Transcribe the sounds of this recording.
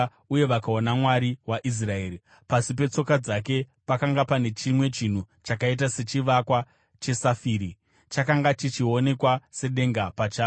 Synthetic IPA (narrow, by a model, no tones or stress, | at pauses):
uje̞ʋakao̞namwaɾiwaʔis̬rae̞ːɾi | pasip̬e̞t͡so̞kad͡zak̬e̞ | pakaŋɡapane̞t͡ʃimwe̞t͡ʃin̤u | t͡ʃakait̬ase̞t͡ʃiʋakwa | t͡ʃe̞safiːɾi | t͡ʃakaŋɡat͡ʃit͡ʃio̞ne̞kwase̞ɗe̞ŋɡapat͡ʃaː